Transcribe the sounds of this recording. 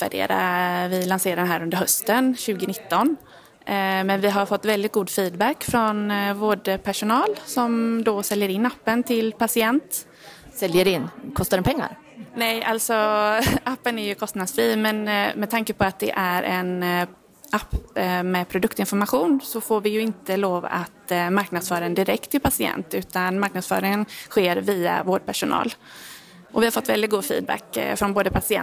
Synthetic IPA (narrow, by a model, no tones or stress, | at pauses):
t̪væ̰ɖḛːɾa̰vɪlanseːɾad̪ɛnɦæːɾɵnd̪əɾɦœst̪ənɕʉ̟ːɡɪnɪt̪ːɔn | mɛnvɪɦaɾfɔt̪ːvɛld̪ɪt̪̚ɡuːd̪fiːd̪bækːfɾɔnvoːɖəpʰæʂʊnɑːlsɔmd̪osɛljəɾɪnːapːənt̪ʰɪlpʰasɪɛnt̪ | sɛljəɖɪnːkʰɔst̪aɾɛnpʰɛŋːa̰ɾ | nɛjalt̪sɔapːənæɾjɵkʰɔst̪nad̪sfɾiːmɛnmɛt̪ʰaŋkəpʰɔat̪̚d̪ɛ̰ʔæɾʔɛn | apːmɛpʰɾʊd̪ɵkt̪ɪnfɔɾmaɧuːnsɔfoːɾvɪjɵɪnt̪əloːva̰t̪maɾknad̪sfœːɾaənd̪ɪɾɛk̚t̪ʰːɪlpʰasɪɛ̰nt̪ʉ̟ːt̪anmaɾknad̪sfœ̰ːɾɪənɧeːɾviːa̰voːɖ̚pæʂʊnʔɑ̰ːl | ʔɔvɪhaɾfɔt̪ːvɛld̪ɪt̪ɡuːd̪fḭːd̪̚bæ̰kfɾɔnboːd̪əpʰasɪɛ̰